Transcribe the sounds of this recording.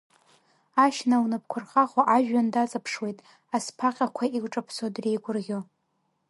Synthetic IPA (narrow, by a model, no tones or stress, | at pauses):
aʃnawnɨp̚ʰkʷʰʊrχaχʷaʔaʒᶣːandat͡sʼapʰʂwe̞jtʼ | aspʰaqʲʼakʷʰaiɡʷʈ͡ʂʼapʰsodrejɡʷʊrʁʲo